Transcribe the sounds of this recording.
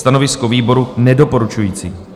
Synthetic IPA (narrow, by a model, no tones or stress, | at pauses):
t̪ano̞vɪskoviːbo̞ɾunɛdo̞po̞ɾut͡ʃujiːt͡sḭː